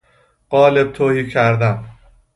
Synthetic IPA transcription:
ɢ̥ɒːleb̥̚t̪ʰoːhiːcʰæɾd̪æm

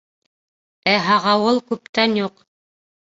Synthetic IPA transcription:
æɦɑʁɑwɤlˠkʉpt̪ænjuq

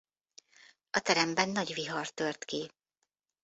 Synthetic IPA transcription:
ɒt̪ɛɾɛmbɛnːɒɟviɦɒrt̪ørt̪ki

